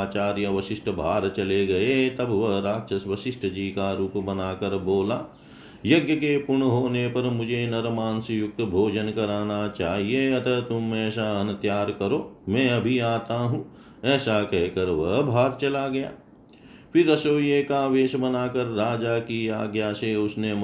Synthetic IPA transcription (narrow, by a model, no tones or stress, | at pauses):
aːt͡ʃaːɾjəʋɐʃɪʃʈʰəbʱaːɾt͡ʃɐleɡɐet̪ɐbʋɐɦɾaːkʃəsʋɐʃɪʃʈʰəd͡ʒiːkaɾuːpbɐnaːkɐɾboːlaː | jɐɡjəkepʊɾɳɦoːnepɐɾmʊd͡ʒʱenɐɾmaːnsɪjʊk̚t̪bʱoːd͡ʒənkɐɾaːnat͡ʃaːɦieɐt̪ət̪ʊmːɛ̃ːsaɐnt̪jaːɾkɐɾoːmɛ̃ːɐbʱiaːt̪aɦũː | ɛːsakɛɦkɐɾʋɐɦbʱaːɾt͡ʃɐlaɡɐja̰ː | pʰɪɾːɐsoːjekaʋeːʃbɐnaːkɐɾːaːd͡ʒakiaːɡjaːseʊsnem